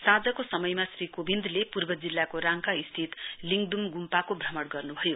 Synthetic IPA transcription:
sad͡zʌkosʌmʌjmasrikobind̪ʱlepurbʌd͡zilːakoɾaŋkaist̪ʰit̪liŋɡd̪umɡumpakobʱrʌmʌɽɡʌrnubʱʌjo

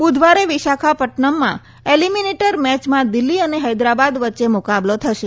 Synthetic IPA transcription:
bud̪ʱʋaɾeʋɪʃakʰapəʈɳəmːã̰ | elimineʈəɾmɛt͡ʃmãd̪ɪlːiəneɦəjd̪ɾabad̪ʋətːʃemʊkablot̪ʰəʃe

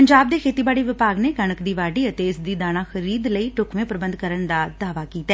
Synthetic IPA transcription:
əɲd͡ʒaːb̚d̪eːkʰeːt̪iːbaːɽiːʋɪpaːɡneːkəɳəkd̪iːʋaːɖiːət̪eɪsd̪iːd̪aːɽ̃ãːxʰəɾiːd̪ləiːʈʊkʰʋẽːpɾəbənd̪kəɾəɳd̪aːd̪aːʋaːkiːt̪aɛ

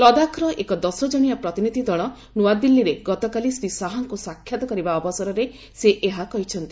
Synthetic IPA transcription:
lɔd̪akʰɾɔʔekɔd̪ɔsɔd͡ʒɔɽ̃ijapɾɔt̪inid̪ʱid̪ɔɭ̃ɔ | nuad̪ilːiɾeɡɔt̪ɔkalisɾisaɦaŋkusakʰːjat̪ɔkɔɾibaɔbɔsɔɾɔɾe | seʔeɦakɔɦit͡ʃʰɔnt̪i

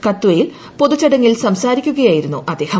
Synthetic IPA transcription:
kɐt̪ːuwɐjil | po̞ðut͡ɕːɐɽɐŋːilsɐmsaːɾikʲːuɣɐjaːjiɾunːuʔɐd̪e̞ːhɐ

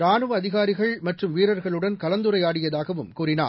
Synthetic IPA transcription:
ɾaːnɯʋɐɐðɪɣaːɾɪɣɐɭmɐʈrɯmʋiːɾɐɾɣɐɭɯɽɐnkɐlɐnd̪ɯɾɐɪjaːɽɪjɐðaːɣɐʋɯmkuːɾɪna̰ː

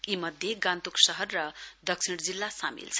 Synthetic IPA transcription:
imʌd̪ʱjeɡant̪uksʌɦʌrːʌd̪ʌksʰiɽd͡zilːasa̰mḭlt͡sʰʌ

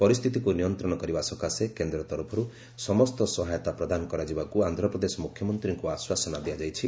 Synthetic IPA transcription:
pɔɾist̪ʰit̪ikunijɔnt̪ɾɔɽ̃ɔkɔɾibasɔkasekend̪ɾɔt̪ɔɾupʰɔɾu | sɔmɔst̪ɔsɔɦajɔt̪apɾɔd̪anɔkɔɾad͡ʒibakuand̪ʱɾɔpɾɔd̪esɔmukʰjɔmɔnt̪ɾiŋkuaswasɔnad̪iad͡ʒajt͡ʃʰi

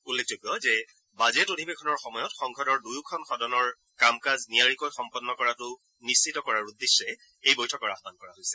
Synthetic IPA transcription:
ulːek̚d͡ʒoɡɔzɛ | bazɛtodʱibɛkʰɔnɔɹxɔmɔjɔtxɔŋɡʱɔdɔɹdujukʰɔnxɔdɔnɔɹ | kamkazniaɹikojxɔmpɔnːɔkɔɹatʊ | nisːitɔkɔɹaɹud̪ːesːɛ | ejbojtʰɔkɔɹaxbankɔɹaɦojsɛ̥

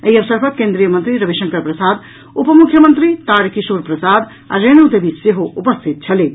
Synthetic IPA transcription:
əjəbsəɾpʰət̪̚kẽnd̪ɾijəmənt̪ɾiɾəbʱiʃə̃ŋkəɾpɾəsad̪ | upəmukʰjəmənt̪ɾit̪aɾkisuɾpɾəsad̪ | a̰ɾenud̪ebʱiseɦoʔupəst̪ʰit̪̚t͡ʃʰɐle

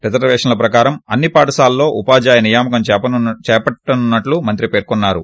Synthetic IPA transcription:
ɾɐt̪ɐɾɐʋɛːʂɐnɐlɐpɾɐkaːɾɐmɐnːipaːʈɐsaːlːo̞ːʔupaːd͡ʒaːjɐnijaːmɐkɐmt͡ʃɛːpɐʈːɐnunːɐʈlumɐnt̪ɾipe̞ːɾkonːaːɾṵ

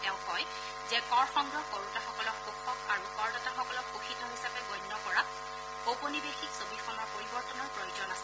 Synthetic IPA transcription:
tɛʊ̃kɔj | zɛkɔɹxɔŋɡɹɔkoɹutaxɔkɔlɔk̚pokʰɔkaɹukɔɹdɔtaxɔkɔlɔk̚poxitɔɦisapɛɡɔjnːɔkɔɹa | oponibexiksobixɔmɔɹpoɹibɔɹtɔnɔɹpɹojozɔnas

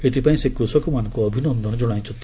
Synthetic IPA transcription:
et̪ipaĩsekɾusɔkumanɔ̃ŋkuɔbʱinɔnd̪ʱɔɽ̃ɔd͡ʒoɽ̃aj̃t͡ʃʰɔnt̪ʰi

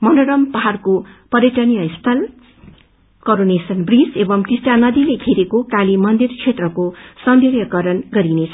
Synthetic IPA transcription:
mʌndoɽʌmpʌɦarkopʌɾjʌʈʌnijʌst̪ʰʌl | koɾonesʌnbrisebʌmkisʈanʌd̪ileɡʱeɾekokalimʌnd̪irt͡sʰet̪rʌkosʌnd̪erjʌkʌɾʌnɡʌɾinet͡sʰʌ

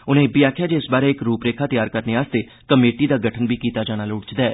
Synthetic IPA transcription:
ʊnẽːbiːaːkʰjaːd͡ʒeɪsbaːɾeːɪkɾuːpɾeːkʰaːt̪əjaːɾkəɾneːaːst̪eː | kəmeːʈiːd̪aːɡəʈʰənbʱiːkiːt̪aːd͡ʒaːñaːlʊɽd͡ʒd̪aɛː

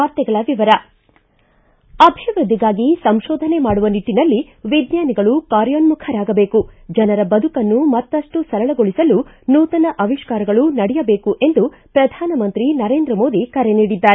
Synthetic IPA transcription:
aːɾt̪jɛɡɐɭɐʋiʋɐɾɐ | ɐbʱiʋɾud̪ʱiɡaːɡisɐmʃɔːd̪ʱɐnemaːɽuʋɐniʈːinɐlːi | ʋid̪ɲaːniɡɐɭukaːɾjoːnmukʰɐɾaːɡɐbe̞ːkud͡ʒɐnɐɾɐbɐd̪ʱukɐnːumɐt̪ːɐʂʈusɐɾɐɭɐɡoɭisɐlu | nuːt̪ɐnɐʔɐʋiʃkaːɾɐɡɐɭunɐɽɛjɐbe̞ːkuʔe̞nd̪u | pɾɐd̪ʱaːnɐmɐnt̪ɾinɐɾe̞ːnd̪ɾɐmo̞ːd̪ikɐɾeniːɽid̪ːaːɾe

